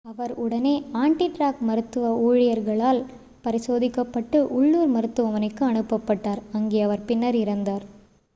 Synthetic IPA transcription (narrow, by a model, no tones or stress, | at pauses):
ɐʋɐɾʊɽɐneːaːɳʈiʈɾaːkmɐɾɯt̪ːɯʋɐoːɻɪjɐɾɣɐɭaːl | pɐɾɪsoːðɪkːɐpːɐʈːɯʔʊɭːuːɾmɐɾɯt̪ːɯʋɐʋɐnɐɪkːɯɐɳɯpːɐpːɐʈːaːɾɐŋɡeːɐʋɐɾpɪnːɐɾɪɾɐnd̪aːɾ